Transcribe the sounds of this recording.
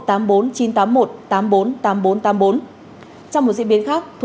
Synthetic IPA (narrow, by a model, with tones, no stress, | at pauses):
t̪aː˨˦mɓo˨˦nt͡ɕi˨˦nt̪aː˨˦mːo˨˩t̚t̪aː˨˦mɓo˨˦nt̪aː˨˦mɓo˨˦nt̪aː˨˦mɓo˨˦n | t͡ɕɔ˧wŋ͡mo˨˩t̚zɨ̰˧˥ɓi˨˦ənxaː˦˥k̚t̪ʰu˨˩